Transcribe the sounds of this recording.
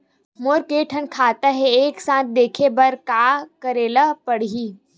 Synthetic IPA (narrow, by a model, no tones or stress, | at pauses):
moːɾkeːʈʰənkʰaːt̪əɦeeːksãːt̪̚d̪eːkʰebɐɾkaːkəɾeːləpɐɽ̤iː